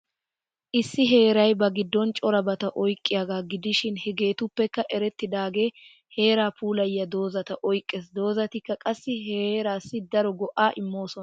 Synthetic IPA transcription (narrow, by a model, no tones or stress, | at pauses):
ʔɪsːɪɦe̞ːɾɐjbɐɡɪd̪ːɔnt͡ʃʼɔɾɐbɐt̪ɐʔɔjkʼːɪjaːɡaːɡɪd̪ɪʃɪnhɛɡe̞ːt̪ʊpːɛkːɐʔɛɾɛt̪ːɪd̪aːɡe̞ː | he̞ːɾaːpʰuːlɐjːɐd̪o̞ːzɐt̪ɐʔɔjkʼːeːsd̪o̞ːzɐt̪ɪkːɐkʼɐsːɪɦeɾaːsːɪd̪ɐɾɔɡɔʔaːʔɪmːo̞ːsɔn